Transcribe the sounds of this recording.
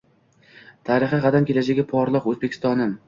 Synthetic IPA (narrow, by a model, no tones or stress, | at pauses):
t̪ʰaɾɪχɨʁɑd̪amkʲʰe̞lad͡ʒaɡʲapʰɒɾlˠɨqɵzbekʰʲɪ̥st̪ɒnɪm